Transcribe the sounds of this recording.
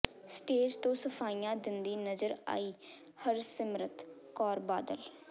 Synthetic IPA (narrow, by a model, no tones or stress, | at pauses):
sʈeːd͡ʒt̪õːsəpʰaːiːjãːd̪ɪnd̪iːnəzəɾa̰ːiː | həɾsɪmɾət̪kɔːɾbaːd̪əl